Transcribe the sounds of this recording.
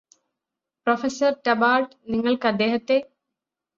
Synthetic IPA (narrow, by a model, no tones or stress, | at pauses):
profesɐrʈɐbaːʈ | niŋːɐɭkɐd̪ːeːɦɐt̪ːe